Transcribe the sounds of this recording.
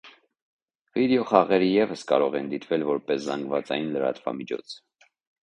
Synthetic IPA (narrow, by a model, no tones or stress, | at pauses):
vid̪ɛɔχɑʁɛɾijɛvəskɑɾɔʁɛnd̪it̪vɛlvɔɾpɛszɑŋɡvɑt͡sɑjnləɾɑ̰t̪vɑ̰mit͡ʃʰɔ̰t͡sʰ